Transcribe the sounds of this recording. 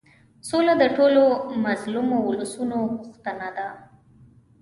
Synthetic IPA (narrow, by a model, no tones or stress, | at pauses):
solad̪əʈolomazlumoʊləsunoɣʊxt̪ənad̪a